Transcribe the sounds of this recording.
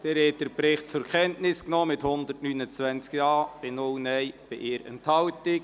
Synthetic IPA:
d̥ɛɾhɛt̚d̥əɾpɾɪχtt͡sʊɾkχɛntnɪsknɔːmɪthʊnd̪ətnynət͡sʋɛænt͡skjɑːb̥ɪnʊlnɛjb̥ɪʔɪːɾɛ̰nthɑwtɪk̚

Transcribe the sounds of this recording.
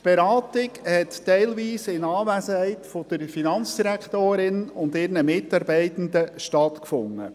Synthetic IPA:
b̥eɾɑːtɪkhɛttɛɪlviːsɪnɑːvæsəhɛɪtfɔd̥əɾfinɑnt͡sd̥iɾækχt̪oːɾɪnʊndɪɾnəmɪtɑɾbɛɪtən̩d̪əʃtɑtkfʊŋːə̰

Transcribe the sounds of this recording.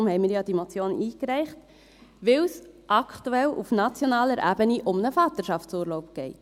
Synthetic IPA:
ʊmhɛɪmiːɾjɑːd̥imot͡sjoːniːkɾɛɪχt | ʋɪlsʔɑkʰtuɛlufnɑt͡sjonɑːləɾʔæ̰ːbəniʔʊmnəfɑːt̪əɾʃɑft͡suːɾloʊp̚ɡ̥ɛɪt

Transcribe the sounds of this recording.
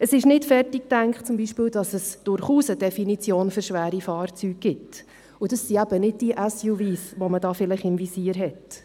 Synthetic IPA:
əsɪʃnɪtfɛrtik̚tæŋkχt͡sʊmbiʃpɪːld̥ɑsəsd̥ʊɾχuːsəd̥ɛfinit͡sjoːnføɾʃʋæːɾifɑːrt͡syːɡ̚ɡɪt | ʊd̥ɑsːiæb̥ənɪd̚d̥iʔæsjuviːsʋomədɑːfɪlɪχɪmvisiːəɾɦɛt

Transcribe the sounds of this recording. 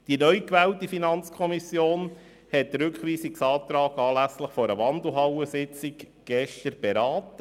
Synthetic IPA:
d̥inœʏkʋɛːltifinɑnt͡skʰɔmisjoːn | hɛtɾʏkχʋiːsiksɑːt̪ɾɑːɡɑːlæsləχfɔɾəʋɑnd̪l̩ˠɦɑwəsɪt͡sɪk | ɡ̥ɛʃtəɾb̥ɛɾɑːtə

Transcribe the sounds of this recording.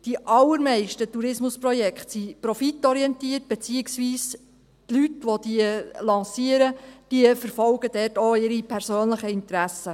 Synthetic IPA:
d̥iʔɑlːəɾmɛɪʃtətuɾɪsmʊspɾɔjɛkχtsipɾɔfitːɔɾiɛnt̪iːət̚b̥et͡siːɪksʋiːs | tlytʋod̥iəlɑ̃ːsiəɾəd̥iəfəɾfɔlɡ̥əd̥̪ɛtoɪɾipʰæɾsøːnləχəɪnt̪ɾæsə

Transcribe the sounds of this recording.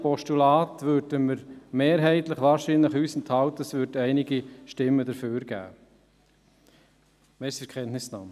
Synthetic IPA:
pɔʃtulɑːtʋøːɾdəməɾmeːɾɦɛɪtləχʋɑːʃiːnləχhyːsnthɑwtəəsvʏɾdɛɪnɪɡiʃtɪmːədəɾføːɾɡ̥æ̰ː | mɛsəkʰɛntnɪsnɑːm

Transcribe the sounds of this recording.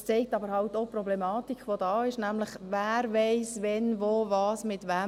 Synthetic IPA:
t͡sɛɪk̚tɑbəɾhɑʊtoprɔblɛmɑːtikχʋod̥̪ɑːɪʃnæmləχvæːɾvɛɪsʋɛnvoːvɑːsmɪtʋɛ

